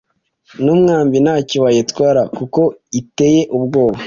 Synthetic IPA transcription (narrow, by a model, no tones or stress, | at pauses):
numŋaːmbinaːciwajetkwaːɾakuko̞ite̞je̞ʔubɡo̞ːβa